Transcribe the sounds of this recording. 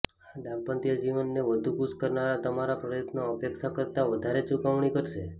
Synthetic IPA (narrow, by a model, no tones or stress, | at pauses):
ad̪apə̃nt̪ijad͡ʒiʋənːeʋəd̪ʱukuskəɾnaɾat̪əmaɾapɾəjət̪noəpekʃakəɾt̪aʋəd̪ʱaɾet͡ʃukəʋɳikəɾʃe